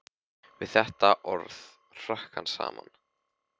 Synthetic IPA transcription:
vɪðθɛht̪aʔɔɾð | r̥ahkansa̰ːman

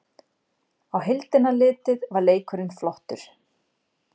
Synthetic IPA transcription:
awɦɪlt̪ɪnalɪːt̪ɪðvaɾleːjkʰʏɾɪnflɔht̪ʏɾ̥

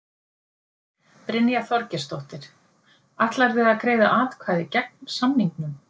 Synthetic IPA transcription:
pɾɪnjaθɔɾcɪst̪ɔht̪ɪɾ̥ | aht̪laɾvɪðakɾeːjða̰ʔaːt̪kʰvaːðɪcɛk̚nsamniŋknʏm

